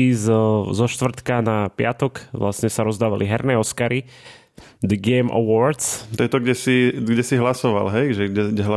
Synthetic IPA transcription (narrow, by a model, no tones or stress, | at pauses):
izzɔʃt̪ʋr̩t̪kanapɪat̪ɔkʋla̰sɲɛsaɾɔzd̪aːʋaliɦɛɾnɛːɔskaɾi | d̪əɡɛːmʔə̰wɔɾd̪st̪ɔjɛt̪ɔɡɟɛsiɡɟɛsiɦlasɔʋa̰lɦɛjʒɛɡɛɡɟɛɦa